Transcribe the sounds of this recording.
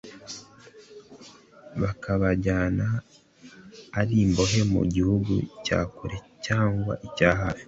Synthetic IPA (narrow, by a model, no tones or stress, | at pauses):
βakʰaβaɟaːna | ɾiːmbo̞ɦe̞mṵɟihuɡṵca̰ːkuɾe̞caːŋɡwa̰ʔicaːɦaːfi̥